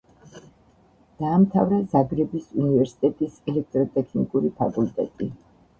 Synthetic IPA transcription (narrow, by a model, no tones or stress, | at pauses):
d̪̥aːmt̪ʰavɾɛzaɡɾɛbisunivɛɾsi̥t̪ʼɛt̪ʼisɛlɛk̚ʰt̪ʼɾɔt̪ʼɛkʰnikʼuɾipʰa̰kʼult̪ʼɛ̰t̪ʼi